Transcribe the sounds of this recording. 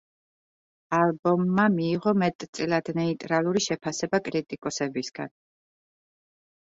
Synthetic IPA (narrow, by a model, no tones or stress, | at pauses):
alˠbɔmːamiːʁɔmɛt̪ʼt̪sʼɛlad̪nɛit̪ʼɾalˠuɾiʃɛpʰasɛbakʼɾit̪ʼikʼɔsɛbisɡ̥an